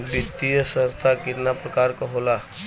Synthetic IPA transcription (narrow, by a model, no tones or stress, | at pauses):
bit̪ijəsə̃nst̪ʰakiɾnapɾəkaɾkɔɦola